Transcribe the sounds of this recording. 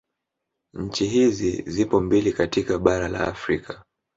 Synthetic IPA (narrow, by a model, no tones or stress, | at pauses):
ɲ̩t͡ʃiɦizizipɔmbilikatikaɓaɾala̰ːfɾikḁ